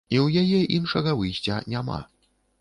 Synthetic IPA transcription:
iwjajɛʔinʂɐɣɐvɨjsʲt͡sʲɐ̰nʲama̰

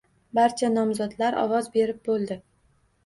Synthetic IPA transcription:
baɾt͡ʃʰanɒmzɒd̪laɾɒ̰wɒzbe̞ɾɪp̚bolˠd̪ɪ

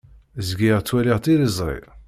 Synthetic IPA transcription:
zɡiʁt͡sːwæliʁt̪ilizˤɾˤḭ

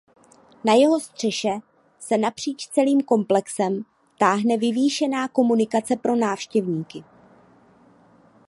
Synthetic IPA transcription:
najɛɦo̞st̪r̝̥ɛʃɛ | sɛnapr̝̥iːt͡ʃst͡sɛliːmko̞mplɛksɛm | t̪aːɦnɛvɪviːʃɛnaːko̞munɪkat͡sɛpɾo̞naːfʃcɛvɲiːkɪ

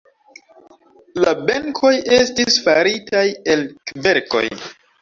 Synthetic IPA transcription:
labeŋkʰo̞je̞stisfaɾitʰajelkve̞ɾko̞̰j

